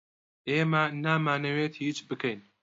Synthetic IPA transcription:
ʔeːmɐnaːmaːnɐweːt̪hiːt͡ʃbɨkʰɐjn

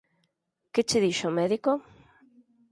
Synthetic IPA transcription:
ket͡ʃeðiʃomɛðiko

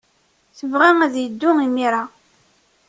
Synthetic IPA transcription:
θəvʁæŋæðjəd̪ːʊimiɾˤa

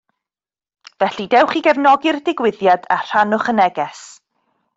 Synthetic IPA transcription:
vɛɬidɛwχiɡɛvnɔɡɪrdɪɡwɪðjada̰r̥anʊχənɛɡɛs

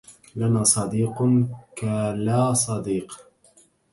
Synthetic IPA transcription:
lanaːsˤɑd̪iːqʊnkalaːsˤɑd̪iːq

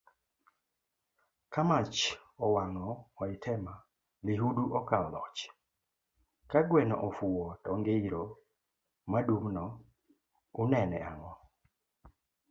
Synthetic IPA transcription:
kamat͡ʃɔwaŋɔːɪtʰɛma | liɦuduʔɔkaɔlɔt͡ʃ | kaɡwɛnɔ̰ʔɔfuwɔtɔŋɡeiɾo | madumnɔ | ʊnɛnɛaŋɔ

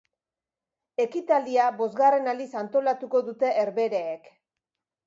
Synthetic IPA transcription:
e̞kit̪ald̪iaβo̞zɣare̞nalisant̪o̞lat̪uko̞ðut̪e̞ʔːɾβe̞ɾe̞ːk

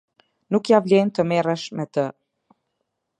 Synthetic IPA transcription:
nukjavlɛnt̪əmɛrəʃmɛt̪ə

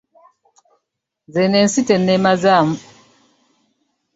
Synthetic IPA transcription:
zɛnɛn̩sitɛnːɛmazamu

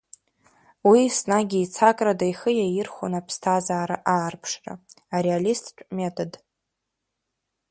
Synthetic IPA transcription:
wisnaɡʲiːt͡sʰakʼradajχəjajɪrχʷo̰napʰstʰazaːɾa̰ʔaːrpʰʂra̰ | aɾealistʰʼt͡ʃʷʼmetʰʼod

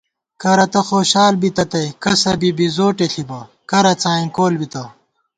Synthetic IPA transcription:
kɐɾɐt̪ɐxoːɕaːlbit̪ɐt̪ɐjkɐsɐbibizoːʈeɬibɐ | kɐɾɐt͡saːĩkoːlbit̪ɐ

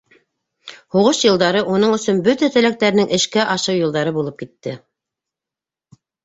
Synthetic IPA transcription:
huʁɤʃjɤ̆lˠd̪ɑɾɤʔunɤɴɵ̆sɵnbɵt̪æt̪ɘ̆læk̚t̪æɾnɘŋʔɘ̆ʃkæʔɑʃɤwjɤ̆lˠd̪ɑɾɤbulˠɤp̚kit̪ːɘ

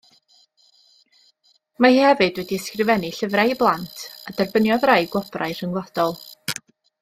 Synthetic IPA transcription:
mahihɛvɨdwɛdiɛskrɨvɛniɬəvraiblˠantʰadɛrbənjɔðrajɡwɔbraɨr̥əŋlˠɔd̥ɔlˠ

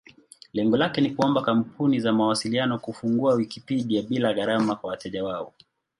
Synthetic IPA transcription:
lɛŋɡɔlakɛnikuɔmbakampʰunizamawasilianɔkufuŋɡuawikipiʄiaɓilaɣaɾamakwawatɛʄawaɔ

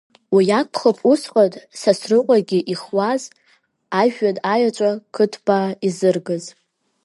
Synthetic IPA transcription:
wijakʷʰχapʰusqʼatʼsasrɨqʷʼaɡʲiʔiχwaz | aʒᶣadʼajat͡ʃʷʼakʰɨtʰbaizɨrɡɨz

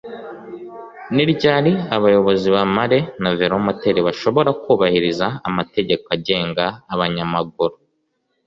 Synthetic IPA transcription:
niɾɟaːɾiaβajo̞βo̞ziβamaɾe̞naveɾomate̞ɾiβaʃo̞βo̞ɾakuːβahiɾizaːmate̞ɟe̞koaɟe̞ːŋɡaːβaɲamaɡ̚uɾu

